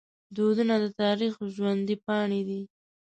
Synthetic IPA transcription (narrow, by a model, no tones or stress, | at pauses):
d̪od̪unad̪ət̪ɑɾixʒwand̪ipɑɳed̪i